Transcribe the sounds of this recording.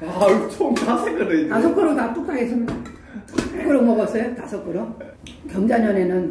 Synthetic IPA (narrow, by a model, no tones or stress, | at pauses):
at͡ɕʰoŋtasʰekɯɾeiasʰʌk͈ɯɾotat͈uk̚t͈aɡesʰɯm | pk͈ɯɾomʌɡʌs͈ʌjotasʰʌk͈ɯɾo | kjʌŋd͡ʑaɲʌnenɯn